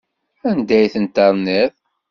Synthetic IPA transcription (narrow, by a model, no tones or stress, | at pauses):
ænd̪æjθənt̪ɑɾˤnið